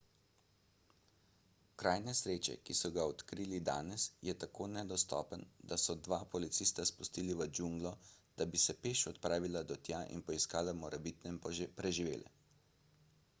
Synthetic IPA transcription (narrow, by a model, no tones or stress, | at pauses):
kɾaːjnɛsɾeːt͡ʃɛ̰kisɔɡaɔt̪kɾiːlid̪a̰ːnɛsjɛt̪akoːnɛd̪ɔst̪ɔ̰ːpənd̪asɔd̪ʋaːpɔlit̪sist̪aspust̪iːliʋəd͡ʒuŋɡlɔd̪̥abisɛpeːʃɔt̪pɾaːʋilad̪ɔt̪jaʔḭnpɔiskaːlamɔɾɛbit̪nɛmpɾɛʒiʋḛːlɛ̰